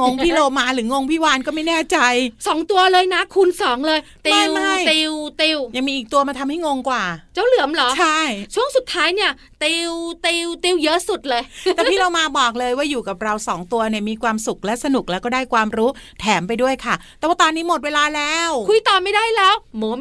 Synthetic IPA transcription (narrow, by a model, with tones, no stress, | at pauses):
ŋo˧ŋpʰiː˥˩loː˧maː˧˥ɾɯː˩˦ŋo˧ŋpʰiː˥˩waː˧nkɔː˥˩ma˥˩jnɛː˥˩t͡ɕa˧jsɔː˩˦ŋt̪u˧ɐlɤː˧jna˦˥kʰu˧nsɔː˩˦ŋlɤː˧jt̪ia˧˥˩wma˥˩jt̪i˧wt̪i˧wja˧ŋmiː˧ʔiː˨˩k̚t̪u˧ɐma˧t̪ʰa˧mha˥˩jŋo˧ŋkwaː˨˩t͡ɕa˥˩wlɯ˨˩˦əmlɔː˨˩˦t͡ɕt͡ɕʰa˥˩jt͡ɕʰu˥˩əŋsu˨˩t̪ʰːaː˦˥jni˥˩ɐ | t̪i˧wt̪i˧wt̪i˧wjɤ˦˥su˨˩t̪̚lɤː˧j̪ɛː˨˩pʰiː˥˩loː˧maː˧bɔː˨˩k̚lɤː˧jwaː˥˩juː˨˩ka˨˩p̚ɾa˧wsɔː˩˦ŋt̪u˧ɐni˥˩ɐmiː˧kʰwaː˧msu˨˩k̚lɛ˦˥sa˧nu˨˩k̚lɛ˦˥wkɔː˥˩daː˥˩jkʰwaː˧mɾuː˦˥t̪ʰɛː˩˦mpa˧jdu˥˩əjkʰa˥˩t̪ɛ˨˩waː˥˩t̪ɔː˧nːiː˦˥mo˨˩t̪̚weː˧laː˧lɛː˦˥wkʰu˧jt̪ɔː˨˩ma˥˩jdaː˥˩jlɛː˦˥wmɔ˨˦